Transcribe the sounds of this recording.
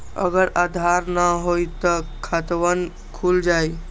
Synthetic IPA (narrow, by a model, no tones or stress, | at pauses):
ə̰ɡəɾad̪ʱaɾnəɦojt̪əkʰət̪ʋən | kʰuld͡ʒaj